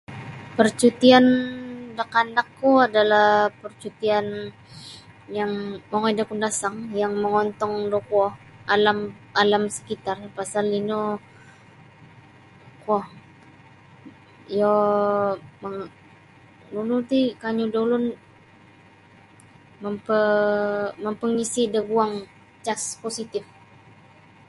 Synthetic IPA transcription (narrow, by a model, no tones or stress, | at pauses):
pərt͡ʃut̪iandakandakːuadalahpərt͡ʃut̪ian | jaŋmoŋɔidakundasaŋjaŋməŋɔnt̪ɔŋdokuɔh | alam | alamsə̥kit̪arpasalino | kuɔh | jɔ | məŋ | nunut̪ikaɲudolʊn | məmpə | məmpəŋisidəɡuaŋ | t͡ʃasposit̪ɪf